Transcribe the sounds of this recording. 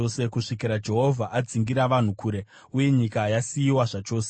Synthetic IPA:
ose̞kuʂikiɾad͡ʒe̞ɦo̞vʱaʔad͡ziŋɡiɾaʋan̤ukʰuːɾe̞ | uje̞ɲikaːjasijiwaʐat͡ʃo̞ːse

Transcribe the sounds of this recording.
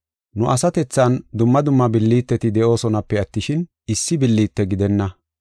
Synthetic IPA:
nʊʔɐsɐt̪ɛt͡sːɐnd̪ʊmːɐd̪ʊmːɐbɪlːiːt̪ːɛt̪ɪd̪ɛʔo̞ːsɔnɐpːɛɐt̪ːɪʃɪn | ɪsːɪbɪlːiːt̪ːɛɡɪd̪ɛnːɐ

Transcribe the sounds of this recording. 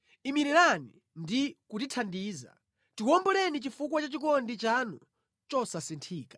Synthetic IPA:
imiɾiɾanḭ | ndikutitʰandiːza̰ | tikɔmbɔlɛnit͡ʃifukwat͡ʃat͡ʃikɔndit͡ʃanu | t͡ʃɔsasintʰiːkḁ

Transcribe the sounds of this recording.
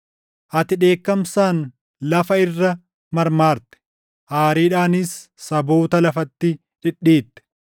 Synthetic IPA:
ʔɐt̪ɪᶑe̞ːkːɐmsaːn | lɐfɐɪrːɐ | mɐɾmaːɾt̪ɛ̥ | ʔaːɾiːᶑaːnɪsː | ɐboːt̪ɐlɐfɐt̪ːɪ | ᶑɪᶑːiːt̪ːɛ̥

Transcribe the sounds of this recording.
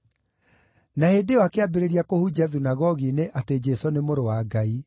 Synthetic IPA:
nahedewakeabeɾeɾiakohud͡ʑaðunaɣɔɣineʔated͡ʑɛsonemoɾowaɡai

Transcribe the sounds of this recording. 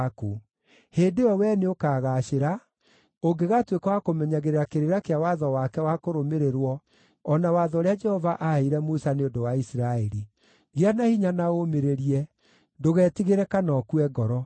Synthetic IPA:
ku | heːndeɔwɛneokaːɣaːʃeɾa | oɡeɣatwekawakomɛɲaɣeɾeɾakeɾeɾakeawaðɔwakɛwakoɾomeɾeɾwɔ | ɔnawaðɔɾead͡ʒɛhɔvaʔaeiɾɛmusaneodowaisiɾaɛɾi | ɣeanahiɲanaomeɾeɾiɛ | ndoɣɛːtiɣeɾɛkanɔkuɛɡɔɾɔ

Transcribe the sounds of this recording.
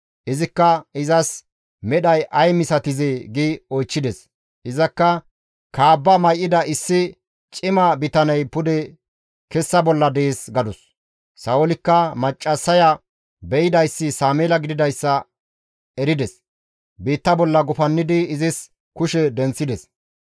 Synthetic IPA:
ʔɪzɪkːɐɪzɐs | mɛɗɐjʔɐjmɪsɐt̪ɪzɛɡɪɔjt͡ʃːɪd̪ɛs | ʔɪzɐkːɐ | kaːbːɐmɐjʔɪd̪ɐɪsːɪ | t͡ʃʼɪmɐbɪt̪ɐnɐjpʊd̪ɛ | kɛsːɐbɔlːɐd̪ɛeːsɡɐd̪ɔsː | ɐolɪkːɐmɐt͡ʃʼːɐsːɐjɐ | bɛjɪd̪ɐjsːɪsaːmeːlɐɡɪd̪ɪd̪ɐjsːɐ | ɛɾɪd̪ɛs | biːt̪ːɐbɔlːɐɡʊfɐnːɪd̪ɪːzɪs | kʊʃɛd̪ɛnt͡sːɪd̪ɛs

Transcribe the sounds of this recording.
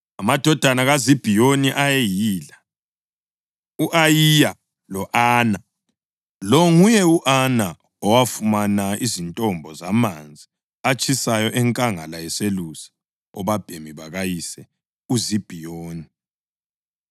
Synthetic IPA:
amad̥ʱɔd̥ʱanaɣazib̥ʱijoniʔajejiːla | uʔajija | lɔʔaːna | lɔŋujɛuʔana | ɔwafumanaizintʼɔmbʱɔzamand͡zʱi | at͡ʃʼʰisajɔʔɛŋkʼaŋalajɛselusi̥ | ɔβab̥ʱemiβaɣajisɛ | uzib̥ʱijoːni

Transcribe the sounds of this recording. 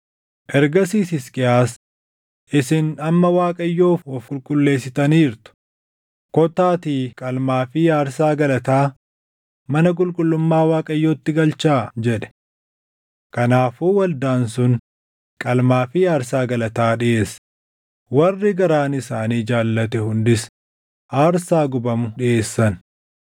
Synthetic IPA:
ʔɛɾɡɐsiːsɪskʼɪaːs | ʔɪsɪnɐmːɐwaːkʼɐjːo̞ːfɔfkʼʊlkʼʊlːe̞ːsːɪt̪ɐniːɾt̪ʊ̥ | kɔt̪aːt̪iːkʼɐlmaːfɪjaːɾsaːɡɐlɐt̪aː | mɐnɐk̬ʼʊlkʼʊlːʊmːaːwaːkʼɐjːoːt̪ːɪɡɐlt͡ʃaːd͡ʒɛᶑɛ̥ | kɐnaːfuːwɐld̪aːnsʊn | kʼɐlmaːfɪjaːɾsaːɡɐlɐt̪aːᶑɪʔe̞ːs | wɐrːɪɡɐɾaːnɪsaːniːd͡ʒaːlːɐt̪ɛhʊnd̪ɪs | ʔaːɾsaːɡʊbɐmʊᶑɪʔe̞ːsːɐn

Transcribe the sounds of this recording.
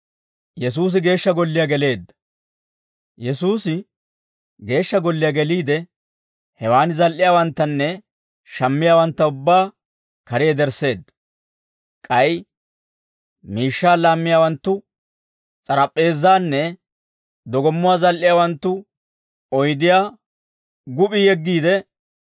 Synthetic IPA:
jɛs̬uːs̬ɪɡe̞ːʃːɐɡɔlːɪjɐɡɛle̞ːd̪ːɐ̥ | jɛsuːsɪ | ɡe̞ːʃːɐɡɔlːɪjɐɡɛliːd̪ɛ | hɛwaːnɪzɐlʔɪjaːwɐnt̪ːɐnːɛ | ʃɐmːɪjaːwɐnt̪ːɐʊbːaː | kɐɾɪjɛd̪ɛɾse̞ːd̪ːɐ̥ | kʼɐj | miːʃːaːlaːmːɪjaːwɐnt̪ːʊ | t͡sʼɐɾɐpʼːe̞ːzːaːnːɛ | d̪ɔɡɔmːʊwaːzɐlʔɪjaːwɐnt̪ːʊ | ɔjd̪ɪjaː | ɡʊpʼɪjɛɡːiːd̪ɛ

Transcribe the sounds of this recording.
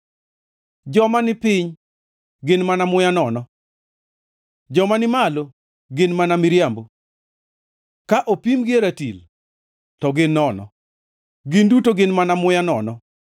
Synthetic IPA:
d͡ʒɔmanɪpɪɲ | ɡɪnmanamʊjanɔnɔ | d͡ʒɔmanɪmalo | ɡɪnmanamɪɾjambo | kaʔopimɡɪeɾatil | tɔɡɪnːɔnɔ̰ | ɡɪndutoɡɪnmanamʊjanɔnɔ

